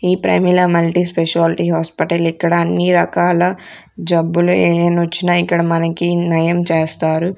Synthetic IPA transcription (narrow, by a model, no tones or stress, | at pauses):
iːpɾɐ̰milɐmɐlʈispeʂaːlʈiɦaːspiʈɐlikːɐɽɐːnːiɾɐkaːlɐ | d͡ʒɐbːulueːnʋɐt͡ʃːinaːikːɐɽɐmɐnɐkinɐjɐmt͡ʃeːst̪aːɾu